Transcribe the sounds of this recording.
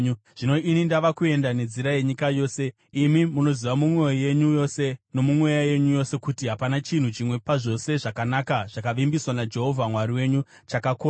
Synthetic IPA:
u | ʐ̥ino̞ʔinindaʋakue̞ndane̞d͡ziɾaje̞ɲikajo̞ːse̞ | imimuno̞ziwamumwejeɲujose̞no̞mumwe̞jaje̞ɲujo̞se̞kutiɦapanat͡ʃin̤ut͡ʃimwe̞paʐo̞se̞ʐakanakaʐ̥akaʋimbiswanad͡ʒe̞ɦo̞vʱamwaɾiwe̞ɲu | t͡ʃakako

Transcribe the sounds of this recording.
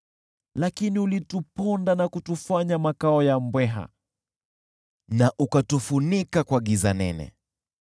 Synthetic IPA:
lakiniulitupɔndanakutufaɲamakaɔjambwɛɦa̰ | naʔukatufunikakwaɠizanɛ̰nɛ̰

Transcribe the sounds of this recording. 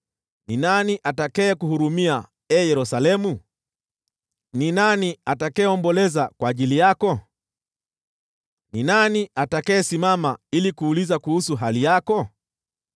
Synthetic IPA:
ninaniʔatakɛɛkuhuɾumia | ɛjɛɾusalɛmu | ninaniatakɛɛɔmbɔlɛzakwaːʄilijakɔ | ninaniatakaɛsimamailikuːlizakuhusuɦalijakɔ

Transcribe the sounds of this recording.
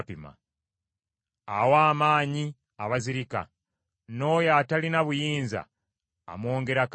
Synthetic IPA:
pima̰ | a̰waːmaːɲi | aβaziɾika̰ | no̞ːjaːtalinaβujiːnza̰ː | mo̞ːŋɡe̞ɾak

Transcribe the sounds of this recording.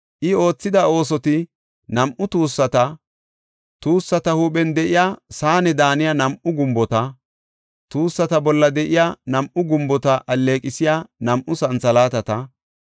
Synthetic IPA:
ʔɪo̞ːt͡sːɪd̪ɐo̞ːs̬ɔt̪ɪ | nɐmʔʊt̪uːsːɐt̪ɐ | t̪uːsːɐt̪ɐhuːpɛnd̪ɛʔɪjaːsaːnɛd̪aːnɪjanɐmʔʊɡʊmbɔt̪ɐ | t̪uːsːɐt̪ɐbɔlːɐd̪ɛʔɪjanɐmʔʊɡʊmbɔt̪ɐʔɐlːe̞ːkʼɪsɪjanɐmʔʊsɐnt͡sɐlaːt̪ɐt̪ɐ

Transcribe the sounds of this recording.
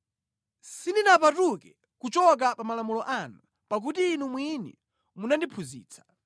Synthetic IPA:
sindinapatukɛ | kut͡ʃɔk̬apamalamulɔʔanu | pak̬utiːnumwinḭ | munandipʰuzḭːt͡sʰḁ

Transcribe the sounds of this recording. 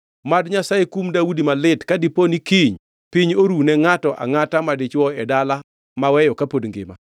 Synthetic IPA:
madɲasajekumdaudimalɪtkadiponikiɲ | piɲoɾunɛŋatɔʔa̰ŋatamadɪt͡ʃwɔɛdala | mawɛjɔkapodŋɡɪ̰ma̰

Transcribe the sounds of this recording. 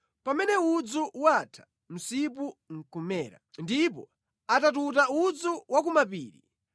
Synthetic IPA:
pamɛnɛud͡zuwatʰḁ | m̩sip̬uŋ̩kumɛːɾa̰ndip̬ɔ̰ | atatutaud͡zuwak̬umapiːɾḭ

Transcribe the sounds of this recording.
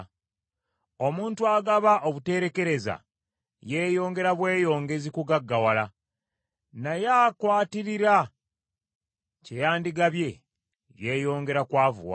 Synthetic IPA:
o̞muːntuaɡaβaʔo̞βute̞ɾe̞ke̞ɾe̞za̰ | je̞ːjo̞ːŋɡe̞ɾaβwe̞ːjo̞ːŋɡe̞zikuɡaɡːawala | najaːkwaːtiɾiɾa | ce̞jaːndiɡaβje̞ | je̞ːjo̞ːŋɡe̞ɾakwaːvṵwa̰

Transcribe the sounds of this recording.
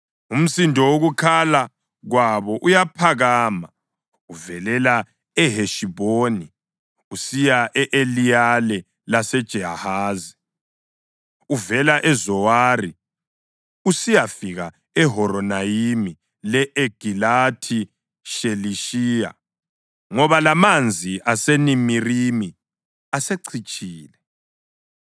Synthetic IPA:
um̩sindʱɔwoɣukʰala | ɣwaβɔʔujapʰaɣaːma | uvɛlɛla | ɛɦeʃiβoːni | usijaʔɛʔelijalɛ | lasɛd̥ʒ̥ʱɛɦahaːzi | uvɛlaʔɛzɔwari | usijafiɣa | ɛɦɔɾɔnaimi | lɛʔeɡ̥ʱilatʰi | ʃeliʃiːja̰ | ŋɔβalamand͡zʱiʔasenimirimi | aseǀʰit͡ʃʼiːlɛ

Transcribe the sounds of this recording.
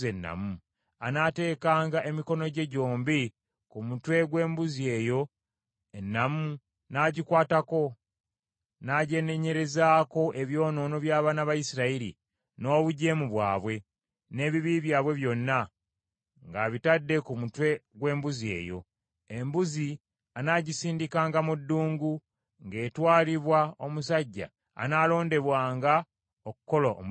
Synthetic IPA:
enːa̰mu | anate̞ːkaːŋɡaʔe̞miko̞no̞ɟe̞ɟo̞ːmbi | kumutwe̞ɡwe̞ːmbuzie̞ːjo̞ | e̞nːamu | naɟikwaːtako̞ | naɟe̞ne̞ɲe̞ɾe̞zaːko̞ʔe̞βjo̞ːno̞ːno̞βjaːβaːnaβajisiɾaiɾḭ | no̞ːβuɟe̞ːmuβwa̰ːβwe̞ | ne̞ːβiβiβjaːβwe̞βjo̞nːa | ŋɡaβitadːe̞kumutwe̞ɡwe̞ːmbuzie̞̰ːjo̞̰ | embuzi | anaɟisiːndikaːŋɡamudːuːŋɡu | ŋɡe̞ːtwaːliβwao̞mus̬aɟːa̰ː | naːlo̞ːnde̞βwaːŋɡa | oku̥ko̞la̰

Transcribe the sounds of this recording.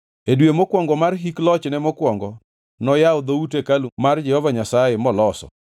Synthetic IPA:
edwemokwɔŋɡɔmarɦiklɔt͡ʃnɛmɔkwɔŋɡɔ | nɔjaod̪outekalmard͡ʒɛhɔvaɲasajemɔlɔsɔ̰

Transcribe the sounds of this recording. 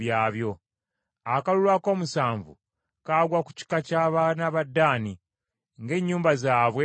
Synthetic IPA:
jaːβjo̞ | akalulwako̞ːmusaːɱvṵ | kaːɡwaku̥ci̥kacaːβanaβadːaːni | ŋɡe̞ːɲːuːmbazaːβwe

